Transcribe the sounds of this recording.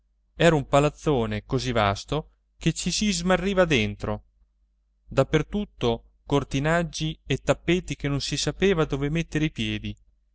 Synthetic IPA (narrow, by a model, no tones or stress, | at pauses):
ɛːɾaumpalat̪sːoːnekoziva̰st̪o | ket͡ʃːisizmarːiːvad̪ent̪ɾo | d̪apːert̪ut̪ːo | kort̪inad͡ʒːiet̪ːapːeːt̪ik̟enːonsisapeːvad̪oːvemet̪ːeɾeipjɛːd̪i